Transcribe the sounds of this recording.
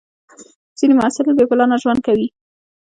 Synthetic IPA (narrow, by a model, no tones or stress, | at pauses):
z̥inemʊasɪlbekʊlɑnaʒwand̪̚kawi